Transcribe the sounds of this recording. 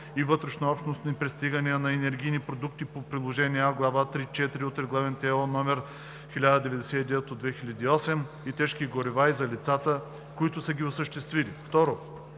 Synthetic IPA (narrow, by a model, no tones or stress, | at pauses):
ivɤt̪ɾɛʃnoɔpʃt̪nost̪ipɾɛst̪iɡəniənɐɛnɛɾɡʲijnipɾod̪ukt̪ipopɾilˠoʒɛniaɡlˠavat̪ɾit͡ʃɛt̪iɾiot̪ɾɛɡlˠavɛnt̪ɛɔnɔmɛɾ | xʲilʲad̪əd̪ɛvɛd̪ɛsɛid̪ɛvɛt̪od̪vɛxilʲɐd̪iːɔsɛm | it̪ɛʃkiɡoɾivaizɐlit̪sat̪ə | koit̪ʊsəɡʲiosəʃt̪ɛst̪vilift̪ɔɾo